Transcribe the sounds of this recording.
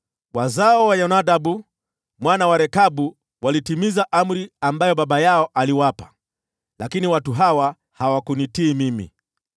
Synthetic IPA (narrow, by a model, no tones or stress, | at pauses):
wazaɔwaɲɔnaɗabu | mwanawaɾɛkaɓu | walitimizaʔam̩ɾiambajɔɓaɓajaɔʔaliwapa | lakiniwatuɦawa | hawakunitiːmimḭ